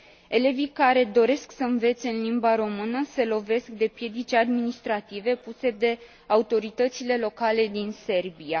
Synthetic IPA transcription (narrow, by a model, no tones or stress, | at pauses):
e̞le̞vikaɾe̞d̪o̞ɾe̞sksəɨnve̞t̪se̞ɨnlimbaɾo̞mɨnəse̞lo̞ve̞sk̚d̪e̞pje̞d̪it͡ʃad̪minist̪ɾat̪ive̞puse̞d̪e̞ | aut̪o̞ɾit̪ət̪sile̞lo̞kale̞d̪inse̞rbija